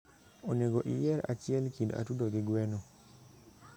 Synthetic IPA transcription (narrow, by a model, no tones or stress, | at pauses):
oneɡoʔijɛɾat͡ʃɪɛlkinda̰tudoɡɪɡwɛno